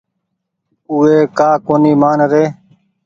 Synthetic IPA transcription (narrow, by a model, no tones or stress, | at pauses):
ʊːeːkaːkoːniːmaːnɾeː